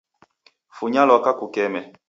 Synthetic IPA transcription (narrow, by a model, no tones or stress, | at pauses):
fuɲalɔkakukɛmɛ